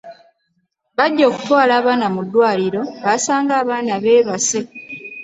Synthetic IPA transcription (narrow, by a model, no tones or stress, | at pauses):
βaɟːo̞ːku̥twaːlaːβaːnamudːwaːliɾo̞βasaːŋɡaːβaːnaβe̞ːβase̞